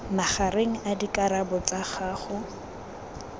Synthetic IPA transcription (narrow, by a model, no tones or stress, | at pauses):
maχaɾeŋ̩adikaɾabɔt͡saχaːχʊ